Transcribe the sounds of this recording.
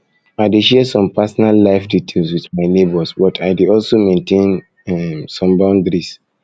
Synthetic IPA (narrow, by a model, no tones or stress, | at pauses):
aɪdeʃɛsɔ̃mpasɔnalːaɪfditʰelswiθmaɪnebɔsbɔtʰaɪdiɔlsomẽntʰẽn | ɛmsɔ̃mbãʊ̃ndɾis